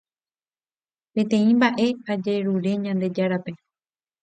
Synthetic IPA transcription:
pẽ̞t̪ẽ̞ĩmbaʔe̞ad͡ʒeɾuɾe̞ɲãnd̪e̞d͡ʒaɾape̞

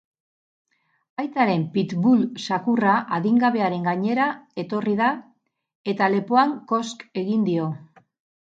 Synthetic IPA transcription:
ajt͡s̪aɾe̞mpit̪βulsakuraʔaðiŋɡaβe̞aɾe̞ŋɡaɲe̞ɾae̞t̪o̞rið̞a | e̞t̪ale̞po̞aŋko̞ske̞ɣind̪io̞

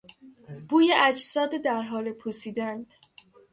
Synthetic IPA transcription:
b̥uːjeʔæd͡ʒsɒːd̪ed̪æɾɦɒːle̞pʰusiːd̪æn

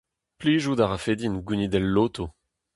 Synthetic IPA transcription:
pliːzud̪aʁafed̪inɡunid̪ɛlːoːt̪o

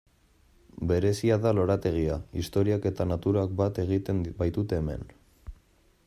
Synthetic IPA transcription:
be̞ɾe̞siaðalo̞ɾat̪e̞ɣ̞iaist̪o̞ɾiake̞t̪anat̪uɾak̚bat̪e̞ɣit̪enbajt̪ut̪e̞ːme̞̰n

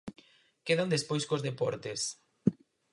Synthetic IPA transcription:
keðand̪espojskozðepɔɾt̪es

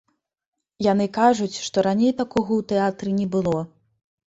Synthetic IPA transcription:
janɨkaʐut͡sʲʂt̪ɔɾanʲejt̪akɔɣɐwt̪ɛat̪ɾɨnʲɛbɨlˠɔ

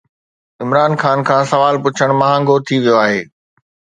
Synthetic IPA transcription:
ɪmɾaːnxaːnkʰãːsɐʋaːlpʊt͡ɕʰəɽ̃mɐɦãːŋɡot̪ʰiʋijoaːɦeː

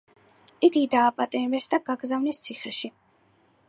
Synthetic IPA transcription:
iɡid̪aːpʼat̪ʼimɛsd̪aɡaɡzavnist̪sʰiχɛʃi

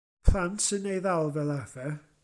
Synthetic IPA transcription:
pʰl̥ˠantʰənejðalˠvɛlˠavɛ

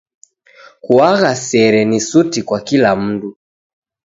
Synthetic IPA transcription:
kuaɣasɛɾɛnisutikwakilam̩du

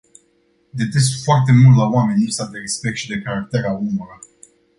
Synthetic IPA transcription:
d̪e̞t̪es̬foart̪e̞mult̪lawame̞nʲlipsad̪e̞ɾespek̚t̪ʃid̪e̞kaɾak̚t̪eɾaumɾə

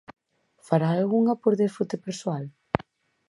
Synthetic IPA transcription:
faɾaːlɣuŋapoɾðeɾfut̪epeɾsoal

